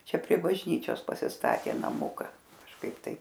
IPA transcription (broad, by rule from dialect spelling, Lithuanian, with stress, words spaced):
ˈt͡ʃʲɛ pʲrʲiɛ bɐʒʲˈnʲiːt͡ʃʲoːs pɐsʲɪsˈtɑːtʲeː nɐˈmʊkɐ kɐʃˈkɐɪp ˈtɐɪp